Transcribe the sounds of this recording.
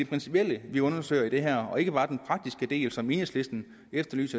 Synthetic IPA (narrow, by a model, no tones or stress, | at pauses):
e̝pʰʁɛnsi̥pʰiel̰əʋiɔ̽nɐsøɪ̰ɐid̥e̝ɦæɐ̰ɒ̽e̝ɡ̥əbɑ̈ːd̥enpʰʁɑ̈ɡ̥̚d̥isɡ̥əd̥e̝̰ːlsɒ̽me̝ːnesle̝sd̥n̩ | efd̥ɐly̰ːsæ